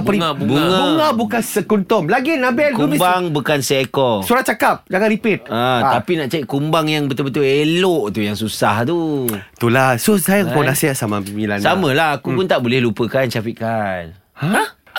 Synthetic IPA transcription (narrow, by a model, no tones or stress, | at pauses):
bəɾiaubuŋabuŋabukansəkunt̪ɔmlaɡinabɛlkuumbaŋbukansekɔsuɾat͡ʃakap̚d͡ʒaɡaɾipɪt̪̚at̪apinaʔt͡ʃaiʔkumbaŋjaŋbət̪ulbət̪ʊleloʔt̪ujaŋsusaht̪ut̪ulahsosajaponasiaʔsamamilansamə̃lahakupʊnt̪aʔbolɛhlupəkant͡ʃafiʔ̚kan